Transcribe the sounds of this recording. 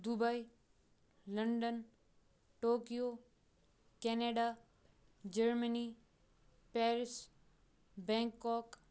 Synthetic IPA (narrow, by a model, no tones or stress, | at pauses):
d̪ubai | lɐɳɖən | ʈoːkijo | kɛːneːɖa | d͡ʒəɾməni | pɛːɾɪs | bɛ̃ːŋkːɔːk